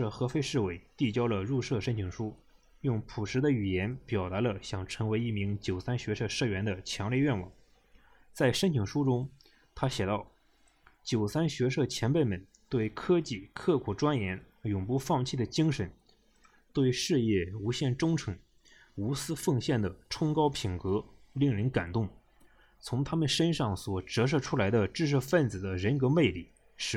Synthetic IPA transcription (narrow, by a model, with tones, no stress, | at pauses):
ɤ˥˩xɤ˧˥fe˥ɪʂɻ̩˥˩we˧˩˥ɪt̪i˥˩t͡ɕjɑ˥ʊlə˧ɻu˥˧ʂɤ˥˧ʂə˥nt͡ɕʰi˨˩ŋʂu˥ | jʊ˥˩ŋpʰu˨˩ʂɻ̩˧˥d̪ə˧y˨˩jɛ˧˥npjɑ˨˩ʊt̪a˧˥lə˧ɕjɑ˥˩ŋʈ͡ʂʰɤ˧˥ŋwe˧˥ɪi˥˩mi˧˥ŋt͡ɕjo˨˩ʊsa˥nɕɥɛ˧˥ʂɤ˥˧ʂɤ˥˩ɥɛ˧˥nd̪ə˧t͡ɕʰjɑ˧˥ŋljɛ˥˧ɥɛ˥˩nwɑ̰˨˩˦ŋ | t͡sa˥˩ɪʂə˥nt͡ɕʰi˨˩ŋʂu˥ʈ͡ʂʊ˥ŋ | t̪ʰa˥ɕjɛ˨˩t̪ɑ˥˩ʊ | t͡ɕjo˨˩ʊsa˥nɕɥɛ˧˥ʂɤ˥˩t͡ɕʰjɛ˧˥npe˥˩ɪmə˧˩n | t̪we˥˩ɪkʰɤ˥t͡ɕi˥˩kʰɤ˥˩kʰu˨˩ʈ͡ʂwa˥njɛ˧˥n | jʊ˨˩ŋpu˥˧fɑ˥˧ŋt͡ɕʰi˥˩d̪ə˩t͡ɕi˥ŋʂə˧˥n | t̪we˥˧ɪʂɻ̩˥˧jɛ˥˩u˧˥ɕjɛ˥˩nʈ͡ʂʊ˥ŋʈ͡ʂʰɤ˧˥ŋ | u˧˥sɹ̩˥fɤ˥˧ŋɕjɛ˥˩nd̪ə˩ʈ͡ʂʰʊ˥ŋkɑ˥ʊpʰi˨˩nkɤ˧˥ | li˥˩ŋɻə˧˥nka˨˩nt̪ʊ˥˩ŋ | t͡sʰʊ˧˥ŋt̪ʰa˥mə˨nʂə˥nʂɑ˥˩ŋswɔ˨˩ʈ͡ʂɤ˧˥ʂ̬ɤ˥˩ʈ͡ʂʰu˥la˧˥ɪd̪ə˧ʈ͡ʂɻ̩˥˧ʂ̬ɤ˥˧fə˥˩nt͡sɹ̩˨˩d̪ə˦ɻə˧˥nkɤ˧˥me˥˧ɪli˥˩ | ʂɻ̩˥